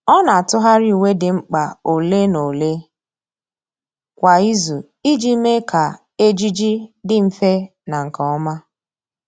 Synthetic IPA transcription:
ɔ˦na˨a˨tʊ˦ɦa˦ɾi˦˨we˦dɪ˨ŋ͡m̩˦k͡pa˨o˨le˦no˨le˦ | kʷa˨i˦zu˨ | i˦d͡ʒi˦me˦kʰa˨ | e˦d͡ʒi˦d͡ʒi˦dɪ˦m̩˨fe˦ | na˨ŋ̩˨kɔ˨ɔ˦ma˦

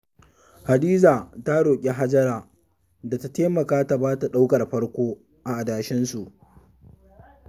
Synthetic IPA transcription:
ha˨diː˦zaː˨ta˦ɽoː˨kʲʼe˦ɦa˦d͡ʒɐ˦ɾaː˨ | da˨ta˦teː˦mɐ˨kaː˦ta˨baː˦ta˨ɗa˦wkɐ˨rɸɐ˦ɽkʷoː˦ | ʔa˨ʔa˨daː˨ʃɪ˦nsu˨ʔ

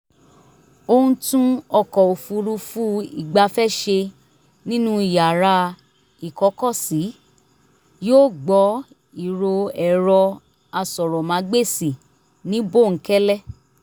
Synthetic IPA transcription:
o˧hũ˧tũ˦ɔ˧kɔ˨o˨fu˧ɾu˧fu˦i˨ɡ͡ba˧fɛ˦ʃe˧ | nĩ˦nũ˦i˨ja˨ɾa˧ | i˨kɔ˨˦kɔ˦˨si˨˦ | joː˦˨ɡ͡bɔ˨˦ | i˨ɾo˧ɛ˨ɾɔ˧ | a˧sɔ˨ɾɔ˨mã˨˦ɡ͡be˦˨si˨ | nĩ˦bo˦˨ŋ̩˨˦kɛ˦lɛ˦˨

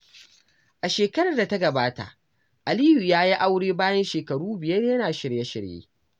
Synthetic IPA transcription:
ʔa˨ʃeː˨kɐ˦ɾɐ˨da˨tɐ˦ɡɐ˨baː˦ta̰˨ʔ | ʔa˨liː˦ju˨jaː˦ji˦ʔa˦wɽeː˦baː˦jɐ˦nʃeː˨kɐ˨ɽuː˦bɪ˨jɐ˦rjɐ˦naː˨ʃɪ˨ɽjɐ˦ʃɪ̰˨ɽjḛː˦

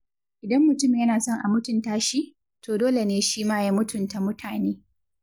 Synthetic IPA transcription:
ʔɪ˨dɐ˦mːʊ˨tʊ˦m˨ɲjɐ˦naː˨sɔ˦ŋʔa̰˨mʊ˦tʊ˨ntaː˦ʃi˦ʔ | tʰoː˨doː˦le˨neː˦ʃiː˦maː˦ja˦mʊ˦tʰʊ˨nta˨mʊ˦tʰaː˨neː˦

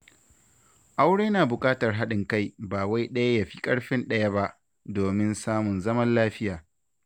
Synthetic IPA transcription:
ʔa˦wɽeː˦naː˨bʊ˨kʼaː˦tɐ˨rɦa˦ɗɪ˨ŋka˦jbaː˨wa˦jɗɐ˦ja˦ja˨ɸi̥ː˦kʼɐ˦ɽɸɪ˦nɗɐ˦ja˦ba˦ʔ | doː˨mɪ˦nsaː˦mʊ˨nzɐ˦mɐ˦nlaː˦ɸɪ˦jaː˨

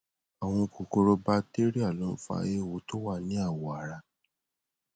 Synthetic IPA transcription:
a˨w̃ɔ̃˧ko˨ko˧ɾo˧ba˧te˦ɾi˦a˦˨lɔ̃˨˦fa̰˧e˧˦˨wo˧˦to˦wa˦˨nĩ˨˦a˦˨wɔ˨a˨ɾa˧

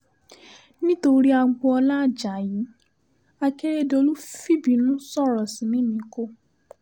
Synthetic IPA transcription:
nĩ˦to˧ɾi˦a˧ɡ͡bɔ˧ɔ˧la˦˨d͡ʒa˨ji˨˦ | a˦ke˦ɾe˦do˧˦lu˦fi˦bi˨nũ˦sɔ˦˨ɾɔ˨si˨nĩ˦nĩ˨˦ko˦

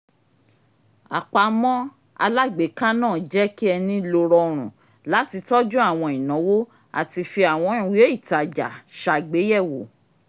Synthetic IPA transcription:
a̰˨k͡pa˨˧mɔ̃˦ | a̰˧la˦ɡ͡be˨˦kã˦nãː˦˨d͡ʒɛ˦ki˦ɛ˧nĩ˦lo˧ɾɔ˧ɾ̃ṵ̃˨ | la˨˦ti˧tɔ˦d͡ʒũ˦a˦˨w̃ɔ̃˧i˨nɔ̃˨˦wo˦ | a̰˨ti˧fi˧a˨w̃ɔ̃˨˧ĩ˨wi˨˦o˦i˦˨ta˨d͡ʒa̰˨ʃa˧˨ɡ͡be˨˦jɛ˦˨wo˨

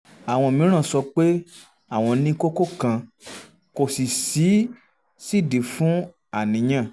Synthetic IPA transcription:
a˨w̃ɔ̃˧˨mĩ˨˦ɾ̃ã˦˨sɔ˧k͡pe˦ | a˦˨w̃ɔ̃˧nĩ˧ko˦ko˦kã˧ | ko˨si˨si˨˦ | si˦˨di˨fũ˦ | a˦˨nĩ˨˦j̃ã˦˨

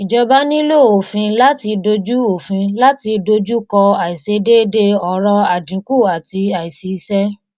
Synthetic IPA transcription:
i˨d͡ʒɔ˧ba˦nĩ˦lo˦˨o˨fĩ˧la˦ti˧do˧d͡ʒu˦o˨fĩ˧la˦ti˧do˧d͡ʒu˦kɔ˧a˨i˨se˧˦de˦de˦ɔ˨ɾɔ˧a˨dĩ˨˦ku˦˨a˨ti˧a˨i˨se˧˦i˧sɛ˦

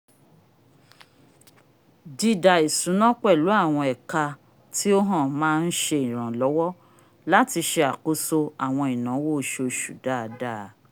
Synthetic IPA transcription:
di˧˨da˨i˨sũ˨˦nã˦k͡pɛ˦˨lu˨˦a˦˨w̃ɔ̃˧ɛ˨ka˧ | ti˦o˦ɦã˦˨mãː˦˧n̩˦ʃe˧i˨ɾ̃ã˨lɔ˨˦wɔ˦ | la˦ti˧ʃe˧a˨ko˧so˧a˨w̃ɔ̃˧i˨nã˨˦wo˦˨˦ʃo˧˨ʃṵ˨da˦˨˧da˦˨˦

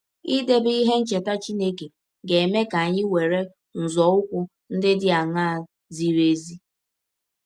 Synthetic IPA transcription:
i˦de˦bi˦ɦe˦n̩˦t͡ʃe˨ta˦t͡ʃi˦ne˦ke˨ | ɡe˨me˦ka˨a˨ɲɪ˦we˨ɾe˦ | n̩˨zɔ˨ʊ˦kʷʊ˦ | n̩˦dɪ˦dɪ˦a˨ŋa˦˨ | zi˨ɾe˦zi˦

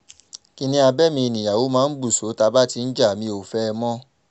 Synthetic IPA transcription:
ki˧nĩ˧a˧bɛ˦mĩ˧i˧˨nĩ˨ja˨wo˨˦mãː˦n̩˦bu˦˨so˨˦ta˧˦ba˦ti˧n̩˦d͡ʒa˦˨mĩ˧˦o˨fɛ˦˧mɔ̃˦

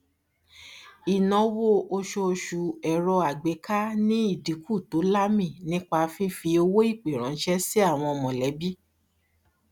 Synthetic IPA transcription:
i˨nɔ̃˨˧wo˦ʔo˧ʃo˧ʃu˨ɛ˨ɾɔ˧a˨ɡ͡be˨˦ka˦nĩ˦i˦˨di˨˦ku˦˨to˨˦la˦mĩ˦˨nĩ˦k͡pa˧fi˦fi˧o˧wo˦i˦˨k͡pe˨ɾ̃ɔ̃˨˦n̩˦ʃɛ˦si˦a˦˨w̃ɔ̃˧ɔ˧mɔ̃˨lɛ˨˦bi˦

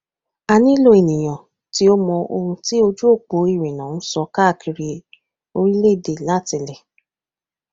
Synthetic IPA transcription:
a˧nĩ˦lo˦e˨nĩ˨j̃ã˨ | ti˦o˦mɔ̃˧o˧hũ˧ti˦o˧d͡ʒu˦o˦˨k͡po˨˦i˦˨ɾĩ˨nã˨˦ũ˦sɔ˧ka˦a˦˨kʰi˧ɾi˧ | o˧ɾi˦le˦˨de˨la˦˨ti˧˨lɛ˨

